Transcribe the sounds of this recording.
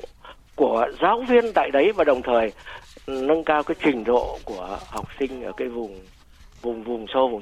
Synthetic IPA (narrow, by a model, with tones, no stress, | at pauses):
ku˧˩əzaː˨˦wvi˧ənt̪a̰ː˧˨jɗə˨˦jvaː˨˩ɗə˨˩wŋ͡mt̪ʰəː˨˩j | nə˧ŋkaː˧wkaː˨˦jt͡ɕï˨˩ŋ̟zo̰˧˨ku˧˩əha˨˩wk͡p̚sï˧ŋ̟ʔəː˧˩kaː˨˦jvʊ˨˩ŋ͡m | vʊ˨˩ŋ͡mvʊ˨˩ŋ͡mso˧vʊ˨˩ŋ͡m